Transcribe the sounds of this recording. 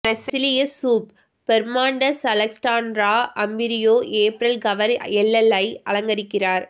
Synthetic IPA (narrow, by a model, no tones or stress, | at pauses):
ɾɐsɪɪlɪjɐsuːpː | ɛɾmaːɳɖɐsɐlɐksʈaːnɾaːʔɐmbɪɾɪjoːʔeːpɾɐlɡɐʋɐɾɛɭːɐlːɐɪɐlɐŋɡɐɾɪkːɪraːɾ